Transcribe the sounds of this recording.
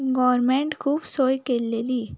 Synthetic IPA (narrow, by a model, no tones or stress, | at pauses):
ɡɔɾmẽɳʈkʰuːbsojkelːeliː